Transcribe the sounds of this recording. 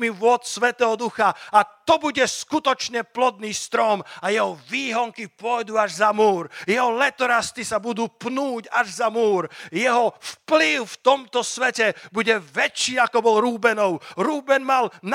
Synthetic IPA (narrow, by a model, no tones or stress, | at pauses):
miʋʊɔt̪sʋɛt̪ɛːɦɔd̪uxaat̪ɔbuɟɛskut̪ɔt͡ʃɲɛplɔd̪niːst̪ɾɔmajɛɦɔʋiːɦɔŋkipʊɔjd̪uːaʒzamuːɾjɛɦɔlɛt̪ɔɾast̪isabud̪uːpnuːɟaʒzamuːɾjɛɦɔfpliʊft̪ɔmt̪ɔsʋɛcɛbuɟɛʋɛt͡ʃːiːakɔbɔlɾuːbɛnɔʊɾuːbɛnmaln